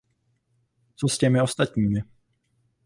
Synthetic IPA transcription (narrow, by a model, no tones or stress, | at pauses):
t͡soscɛmɪo̞st̪at̪ɲiːmɪ